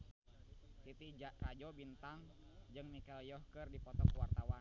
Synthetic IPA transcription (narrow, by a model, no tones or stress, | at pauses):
t̪it̪id͡ʒaʔkad͡ʒɔbint̪aŋd͡ʒɨŋmikɛljɔhkərdipɔt̪ɔkwart̪awan